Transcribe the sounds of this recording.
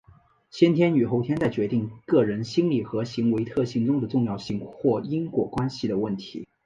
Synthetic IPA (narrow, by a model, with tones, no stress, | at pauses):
ɕjɛ˥nt̪ʰjɛ˥ny˨˩xo˧˥ʊt̪ʰjɛ˥nt͡sa˥˩ɪt͡ɕɥɛ˧˥t̪i˥˧ŋkɤ˥˩ɻə˧˥nɕi˥nli˨˩xɤ˧˥ɕi˧˥ŋwe˧˥ɪt̪ʰɤ˥˩ɕi˧˥ŋʈ͡ʂʊ˥ŋd̪ə˨ʈ͡ʂʊ˥˧ŋjɑ˥˧ʊɕi˥˧ŋxwɔ˥˩i˥ŋkwɔ˨˩kwa˥nɕi˨˩d̪ə˩wə˥˩nt̪ʰḭ˧˥